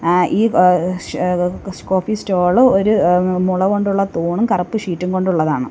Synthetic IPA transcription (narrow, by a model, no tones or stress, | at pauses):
ʔiː | koːfisto̞ːɭɨoɾumuɭɐkoɳɖuɭːɐt̪oːɳumkɐrɐpːɨʂiːtːuŋɡo̞ɳɖuɭːɐðaːɳɨ̰